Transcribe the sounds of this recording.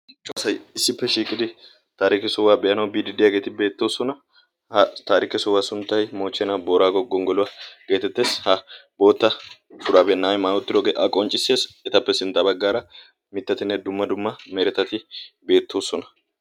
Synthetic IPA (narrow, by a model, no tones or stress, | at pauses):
t͡ʃʼosɐjɪsːɪpːɛʃiːkʼɪd̪ɪ | t̪aːɾɪkɪsɔwːaːbɛʔɐnɐwbiːd̪ɪd̪ːɪjaːɡe̞ːt̪ɪbe̞ːt̪ːo̞ːsɔnɐ | hɐt̪aːɾɪkɪsɔwːaːsʊnt̪ːɐjmo̞ːt͡ʃːɛnɐboːɾaːɡɔɡɔŋɡɔlʊwɐɡ̥eːt̪ɛt̪ːe̞ːshɐbo̞ːt̪ːɐsʊd̪aːbɛnːaːjmaːɔt̪ːɪd̪oːɡeːʔɐkʼɔnt͡ʃʼːɪse̞ːsɛt̪ɐpːɛsɪnt̪ːɐbɐɡːaːɾɐ | mɪt̪ːɐt̪ɪnːɛd̪ʊmːɐd̪ʊmːɐmɛɾɛt̪ːɐt̪ɪbe̞ːt̪ːo̞ːsɔnɐ